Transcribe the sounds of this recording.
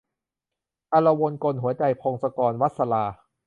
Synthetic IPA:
ʔa˧la˧wo˧nko˧nɦu˩˦ɐt͡ɕa˧jpʰoː˧ŋsa˧kɔː˧nwa˦˥t̪̚sa˧laː˧

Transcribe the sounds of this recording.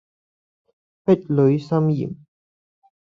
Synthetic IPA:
pɛ˥t̚lɵ˨˧ɥsɐ˥mjḭ˨˩m

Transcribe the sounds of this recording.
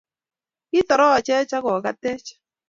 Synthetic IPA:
ɪ˦t̪ɔ˨ɾɔ˦˨t͡ʃɛ˦t͡ʃa˦kɔ˨ka˦tɛ˦t͡ʃ

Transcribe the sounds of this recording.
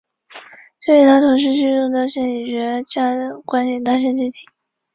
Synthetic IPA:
t͡ɕɤ˥˩i˨˥˩t̪ʰa˥t̪ʰʊ˧˥ŋʂ̬ɻ̩˧˥t͡ɕy˥˧ʈ͡ʂʊ˥˧ŋt̪ɑ˥˧˩ɕɛ˥˩ni˨˩t͡ɕɥɛ˧˥t͡ɕjɑ˥˩˨kwa˥nt̪jɛ˨˩nt̪a˥˧ɕ̬ɛ˥˧nt͡ɕy˥˩t̪ʰi̥˨˩˦

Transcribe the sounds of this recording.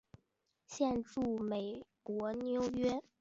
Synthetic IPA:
ɕjɛ˥˧nʈ͡ʂu˥˩me˨˩ɪkwɔ˧˥njo˧˥ʊɥɛ˥

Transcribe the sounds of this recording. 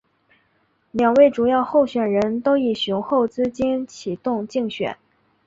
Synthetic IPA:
ljɑ˨˩ŋwe˥˩ɪʈ͡ʂu˨˩jɑ˥˧ʊxo˥˩ʊɕɥɛ˨˩nɻə˧˥nt̪o˥ʊi˨˩ɕu˧˥ŋxo˥˩ʊt͡sɹ̩˥t͡ɕi˥nt͡ɕʰi˨˩t̪ʊ˥˧ŋt͡ɕi˥˩ŋɕɥɛ̰˨˩˦n

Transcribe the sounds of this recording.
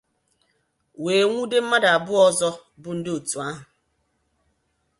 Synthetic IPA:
weː˨ŋʷu˦de˦m̩˦ma˦da˨a˨bʊ˦ɔ˦zɔ˦bʊ˨˦n̩˦dɪ˦o˨tu˨a˦ɦʊ˨

